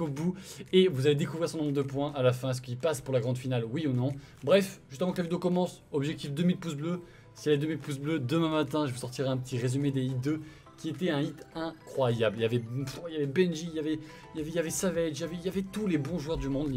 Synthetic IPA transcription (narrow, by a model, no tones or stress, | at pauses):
obuevuzaled̪ekuvʁiʁsənɔ̃bʁəd̪əpwɛ̃ʔalafɛ̃ɛs̬kilpaspuʁlaɡʁɑ̃d̪finalwiunɔ̃ | bʁɛfʒyst̪əvɑ̃kəlavid̪eokɔmɑ̃sɔbʒɛk̚t̪ifd̪əmid̪̚pus̬blø | siɛlɛd̪əmid̪̚pus̬blød̪əmɛ̃mat̪ɛ̃ʒəvusɔʁt̪iʁeɛ̃p̬ət̪ʰiʁezymed̪eid̪ø | kʲiet̪ɛɛ̃it̪ɛ̃kχwajabliljavɛiljavɛbɛ̃nʒijavɛ | ljavɛjavɛsavɛjavɛijavɛt̪ulebɔ̃ʒuœʁd̪ymɔ̃d̪l